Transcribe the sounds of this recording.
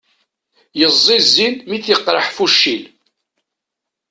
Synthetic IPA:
jəzˤːɪzːinmiθjəqːɾˤəħfuʃːil

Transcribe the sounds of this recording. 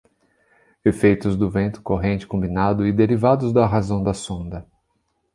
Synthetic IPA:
efejt̪ʊzd̪ʊvẽnt̪ʊ̥koɦẽnt͡ʃɪ̥kõmbinad̪ʊɪd̪eɾivad̪ʊzd̪ɐɦazɐ̃w̃d̪ɐsõnd̪ɐ

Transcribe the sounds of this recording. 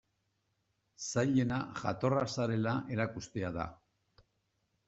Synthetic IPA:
sajʎe̞naʝa̰t̪o̞rasaɾe̞laʔe̞ɾakust̪e̞aða̰

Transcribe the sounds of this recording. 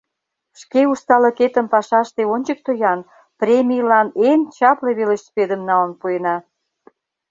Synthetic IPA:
ʃkeust̪ɑlə̆ket̪ə̆mpɑʃɑʃt̪eonʲt͡ɕək̚t̪ojɑn | prʲemʲijlɑnent͡ɕɑpleβelĕɕsped̪əmnɑlə̆npuenɑ

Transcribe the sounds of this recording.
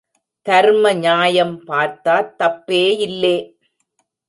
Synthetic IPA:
t̪ɐɾmɐɲaːjɐmpaːɾt̪aːɾt̪ɐpːeːɪlːeː

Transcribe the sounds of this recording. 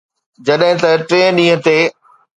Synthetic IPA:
d͡ʑɐɗɦɪ̃t̪ɐʈɾẽːɗĩːɦə̃t̪eː

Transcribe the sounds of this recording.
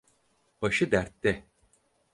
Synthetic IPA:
b̥aʃɯd̪æɾt̪ːɛ

